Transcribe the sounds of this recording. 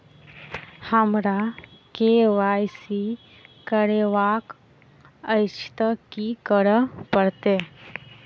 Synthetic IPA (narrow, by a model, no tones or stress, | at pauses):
hamɾakeʋajsi | kəɽeʋak | əjt͡ʃt̪əkikəɽəpəɽt̪e